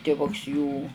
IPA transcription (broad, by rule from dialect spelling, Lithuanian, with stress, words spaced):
tʲɪˈʋʊks juː